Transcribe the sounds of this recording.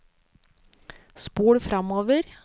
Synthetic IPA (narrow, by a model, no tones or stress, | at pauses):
spuːɽfɾʔɑmoːʋəɾ